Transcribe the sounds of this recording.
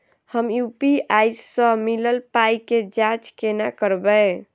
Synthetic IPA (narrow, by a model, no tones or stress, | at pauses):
həmjupiajssə̃miləlpajked͡ʒãt͡ʃkenakəɾbɛ